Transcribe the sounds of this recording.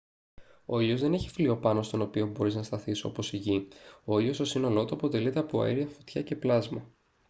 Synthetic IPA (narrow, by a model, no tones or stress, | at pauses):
o̞ilo̞zðe̞neçi̥flio̞pɐno̞st̪o̞no̞pio̞bo̞ɾiznɐst̪ɐθiso̞̰po̞siʝio̞io̞st̪osino̞lo̞t̪uɐpo̞t̪e̞lit̪e̞ɐpoɐ̰eɾiɐfot̪çɐce̞plɐzmɐ